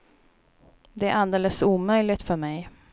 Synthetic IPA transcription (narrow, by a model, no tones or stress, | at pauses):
d̪ɛæɾʔald̪eːləsuːmœjlɪt̪fœɾmɛj